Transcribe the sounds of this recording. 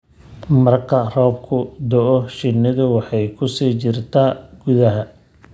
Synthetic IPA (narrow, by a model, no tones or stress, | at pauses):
mɐrkʰɐrɔːbkʰʊd̪ɔʔɔʃɪnːɪðʊwɑħɑjkʰʊsiːt͡ʃɪrt̪ʰaːɡ̥ʊðɐɦɐ